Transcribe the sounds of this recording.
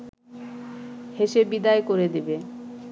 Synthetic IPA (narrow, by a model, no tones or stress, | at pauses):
heʃebid̪aekoɾed̪ibe